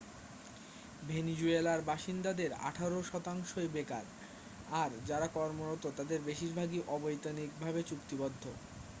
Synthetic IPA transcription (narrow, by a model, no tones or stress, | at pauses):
bʱenid͡ʑuelaɾbaʃind̪ad̪eɾa̰ʈʰaɾoʃɔt̪aŋʃoebeka̰ɾ | aɾd͡ʑaɾakɔɾmoɾot̪ot̪ad̪eɾbeʃiɾbʱaɡiʔɔbojt̪anik̚bʱabet͡ɕukt̪ibod̪ʱːo